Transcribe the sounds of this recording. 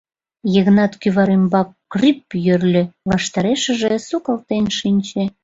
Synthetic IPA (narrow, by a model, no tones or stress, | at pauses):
jeɣnɑt̪kyβɑɾembɑkːripjørlʲø̆βɑʃt̪ɑɾeʃəʒesukɑlt̪enʃinʲt͡ɕe